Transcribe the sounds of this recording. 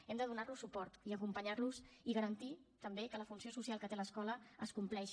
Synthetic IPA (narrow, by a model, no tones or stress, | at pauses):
ɛmd̪əðunarlusupɔɾt̪iəkumpəɲaɾluziɣəɾənt̪it̪əmbekələfunsiosusalˠkət̪eləskɔləəskumplɛʃ